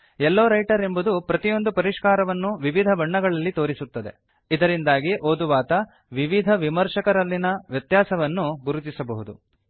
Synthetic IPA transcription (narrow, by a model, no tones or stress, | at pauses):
ɛlːoːɾɐjʈɐɾe̞mbud̪upɾɐt̪ijo̞nd̪upɐɾiʂkaːɾɐʋɐnːuʋiʋid̪ʱɐbɐɳːɐɡɐɭɐlːit̪o̞ːɾisut̪ːɐd̪e̞̰ | id̪ɐɾind̪aːɡiʔoːd̪uʋaːt̪ɐ | ʋiʋid̪ʱɐʋimɐɾʂɐkɐɾɐlːinɐʋjɐt̪jaːsɐʋɐnːuɡuɾut̪isɐbɐɦud̪u